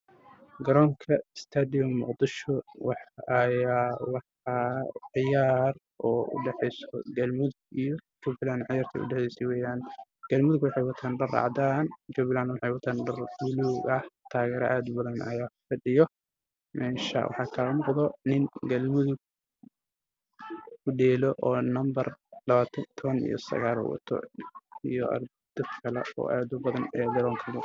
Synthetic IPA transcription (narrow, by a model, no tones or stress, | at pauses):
ɡɐɾɔːŋkʰɐɪst̪ʰaːd̪ɪjɔmʊ̰qd̪ɪʃɔwɑħɐjaːwɑħɑʕɪjaːr | ʔɔːʊ̰ɖɛħɛjsɔ̰ɡɐlmʊðʊɡ̚ijɔd͡ʒubɪlaːnʕɪjaːrt̪ʰɐ̰ʊ̰ɖɛħɛjsɛwɛːjaːnɡ̥ɐlmʊðʊɡwɑħɑjwɑt̪ʰanɖɐrɑ̰ːʕd̪aːnd͡ʒʊbɪlaːnwɑħɑjwɐt̪ʰanɖɐrwʊluːɡɐht̪ʰaːɣɛːɾɐ̰ʔaːd̪ʊbɐðɐnʔɐ̰jaːfɐɖɪjɔ | mɛːʃɐ̰wʔɑ̰ħɑːkʰaːɣɐmɔqd̪ɔnɪŋɡɐlmʊðʊɡ̚ | ʊɖɛːlɔʔɔːnɐmbɐrlɐβaːt̪ʰɐt̪ʰɔβɐnḭjɔ̰sɐ̰ɣaːlɔ̰wɑ̰t̪ʰɔ̰ijɔ̰ʔɐ̰rb | d̪̥ɐd̪kʰɐlɛɔ̰ːʔaːd̪ʊbɐðɐnɛd̪ɐɾɔːŋk̪ʰɐlʊ